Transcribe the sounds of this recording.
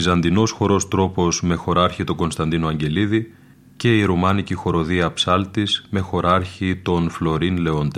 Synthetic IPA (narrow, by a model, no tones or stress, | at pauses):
izɐnd̪ino̞sxo̞ɾo̞st̪ɾo̞po̞zme̞xo̞ɾɐɾçit̪o̞ɡo̞nst̪ɐnd̪inoɐɲɟe̞liði | ce̞iɾumɐnicixo̞ɾo̞ðiɐpsɐlt̪izme̞xo̞ɾɐɾçit̪o̞nflo̞ɾinle̞o̞nd̪